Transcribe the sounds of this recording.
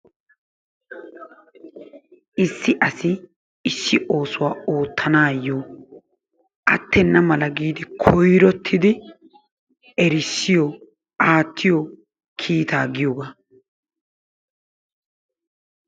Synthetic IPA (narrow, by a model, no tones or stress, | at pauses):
ɪsːɪʔɐsɪ | ɪsːɪʔo̞ːsʊwaːoːt̪ʰːɐnaːjːoː | ʔɐt̪ːɛnːɐmɐlɐɡiːd̪ɪkʰɔjɾɔt̪ʰːɪd̪ɪ | ɛɾɪsːɪjɔ | ʔaːt̪ːɪjɔ | kʰiːt̪aːɡɪjoːɡa